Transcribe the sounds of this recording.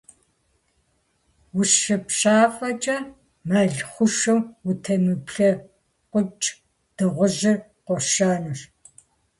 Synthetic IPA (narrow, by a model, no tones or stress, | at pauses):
wʊʃɨpɕaːfʼɐt͡ʃʼɐ | maɮχʷʊʃɐwutʰɐmɨpɬɐ | qʷʊt͡ʃʼ | d̥ɨʁʷʊʑɪr | qʷɔʃaːnɨʂ